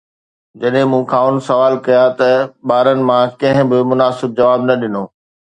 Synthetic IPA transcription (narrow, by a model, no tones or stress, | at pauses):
d͡ʑɐɗɦɪ̃mũkʰaːʊnsɐʋaːlkɐjat̪ɐɓaːɾənɪ̆mãkɐ̃ɦɪ̃bɪmʊnaːsɪb̚d͡ʑɐʋaːbnɐɗɪnoː